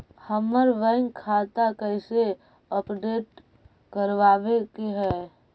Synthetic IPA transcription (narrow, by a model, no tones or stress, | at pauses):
həməɾʋɛ̃ɪŋkʰaːt̪akəɪse | əpɖeːʈ̚ | kəɾʋaːʋekeɦɛː